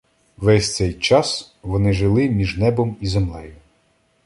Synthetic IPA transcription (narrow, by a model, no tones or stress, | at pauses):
ʋɛsʲt̪sɛjt͡ʃɑs | ʋɔnɪʒɪlˠɪmʲiʒnɛbɔmizemlˠɛjʊ